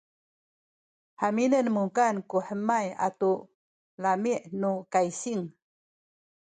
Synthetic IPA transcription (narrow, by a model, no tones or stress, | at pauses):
ħaminənmuŋkankuħəmaja̰tu | lamiʔnukajsiŋ